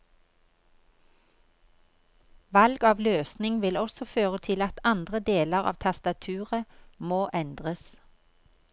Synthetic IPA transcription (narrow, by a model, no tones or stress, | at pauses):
ʋɑlɡɑːʋløːsnɪŋʋɪlɔsɔføːʁət̪ʰɪlɑt̪ɑnd̪ʁəd̪eːləʁɑ̰ːʋt̪ʰɑst̪ɑt̪ʰʉːʁəmoːʔɛnd̪ʁəs